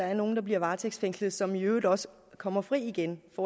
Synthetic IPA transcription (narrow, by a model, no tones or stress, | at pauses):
ɑ̈æɐno̝ːn̩d̥ɑ̈b̥liɐʋɑ̈ːt͡sʰeɡ̥sfeŋ̰slð̩ˠsɒ̽mjøːð̩ˠɒ̽sə̥ | kʰɒ̽m̰ɐfʁḭːiɡ̥enfɒː